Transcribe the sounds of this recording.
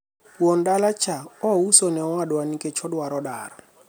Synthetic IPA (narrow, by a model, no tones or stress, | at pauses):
wɔndalat͡ʃʰaɔusɔnɛɔadwanikʼɛt͡ʃʰɔdwaɾɔda̰ːɾɔ